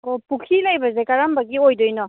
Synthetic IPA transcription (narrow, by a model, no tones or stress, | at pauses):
opukʰilajbazekaɾambaɡiojdojnɔ